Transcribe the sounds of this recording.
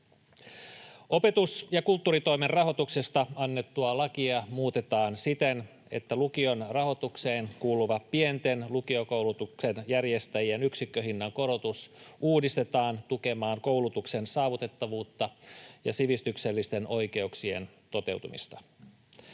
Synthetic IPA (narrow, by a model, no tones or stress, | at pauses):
o̞pe̞t̪usjɑkult̪ːuːɾit̪o̞jmerrɑɦo̞t̪ukse̞st̪ɑɑnːe̞t̪ːuɑlɑkiɑmuːt̪e̞t̪ɑːnsit̪e̞n | e̞̰t̪ːælukio̞nrɑɦo̞t̪ukse̞ːnkuːluʋɑppie̞nt̪e̞nlukio̞ko̞wlut̪ukse̞njærje̞st̪æjienyksikːøɦinːɑŋko̞ɾo̞t̪usʔuːdist̪e̞t̪ɑːnt̪uke̞mɑːŋko̞wlut̪ukse̞nsɑːʋut̪e̞t̪ːɑʋuːt̪ːɑjɑ̰siʋist̪ykse̞lːist̪e̞no̞jke̞uksie̞̰nt̪o̞t̪e̞̰wt̪umḭst̪ɑ